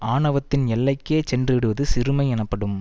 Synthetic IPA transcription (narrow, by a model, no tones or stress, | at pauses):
ʔaːɳɐʋɐt̪ːɪnɛlːɐɪkːeːt͡ʃɛndrɯʋɪɽɯʋɐðɯsɪɾɯmɐɪɛnɐpːɐɽɯm